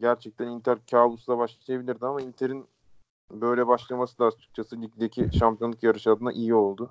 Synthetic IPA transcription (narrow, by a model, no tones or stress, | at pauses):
ɟæɾt͡ʃʰɛc̚t̪ʰænint̪ʰæɾcʰaːbˠusd̪abaʃˠaʃʰajabilʲiɾd̪iamaint̪ʰeɾin | bø̞jlʲɛbaʃlˠamasɯd̪aːt͡ʃʰɯ̥k̚t͡ʃʰasɯlʲicd̪ecʰiʃamp̪ʰʲjanˠɯkjaɾɯʃad̪ɯna̰ʔijio̞lˠd̪ʊ